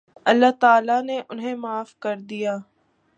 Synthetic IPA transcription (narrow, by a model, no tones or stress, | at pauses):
ɐlːaːt̪aːlaneʔʊnɦẽmaːfkɐɾd̪ijaː